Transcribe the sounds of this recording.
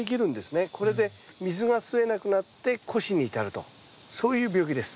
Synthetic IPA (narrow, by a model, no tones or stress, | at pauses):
ek̬ʲiɾɯ̟̃nd̪e̞sɨne̞kʰo̞ɾe̞d̪e̞ | mʲizɨɡasɨe̞nakɯ̟nat̪ːe̞kʰo̞ɕiɲ̟iːt̪aɾɯ̟t̪o̞̰so̞ːjɯ̟ːbʲjo̞ːkʲid̪e̞sɨ̥